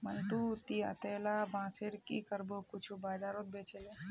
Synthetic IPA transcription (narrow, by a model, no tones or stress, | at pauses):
mənʈut̪iə̰t̪eːlabãːseɾkiːkəɾbokʊt͡ʃʰubaːd͡ʒaːɾot̪̚bet͡ʃele